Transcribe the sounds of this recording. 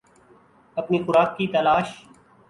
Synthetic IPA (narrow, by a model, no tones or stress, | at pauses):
ɐpniːxʊɾaːkːit̪ɐlaːʃ